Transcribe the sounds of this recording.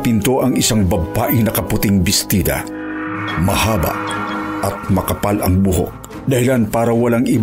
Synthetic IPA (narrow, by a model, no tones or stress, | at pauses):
pɪnt̪o̞ʔɐŋɪsaŋbɐbaːʔɪnɐkɐpʊt̪ɪŋbɪst̪iːd̪ɐ̰ | mɐhaːbɐ̰ʔʔɐt̪̚mɐkɐpalʔɐŋbʊɦo̰k̚ | d̪ahɪlanpaːɾɐwɐlaŋɪ